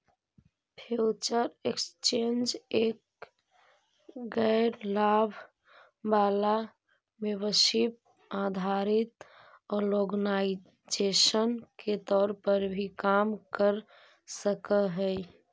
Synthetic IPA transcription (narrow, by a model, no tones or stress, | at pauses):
pʰut͡ʃəɾekst͡ʃend͡ʒek̚ | ɡəɪɾlabʱ | bala | mebəʃip̚ | ad̪ʱaɾɪt̪ | ɔːɾloɡnaɪ | d͡ʒeʃənket̪ɔːɾpəɾbʱikamkəɾ | səkəɦɛ